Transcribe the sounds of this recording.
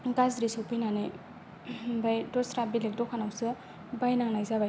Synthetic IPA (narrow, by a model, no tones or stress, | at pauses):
ɡazɾisowpʰijnanḛ | bajdɔsɾabilek̚dɔkʰanawsɯ | bajnaŋnajzabaj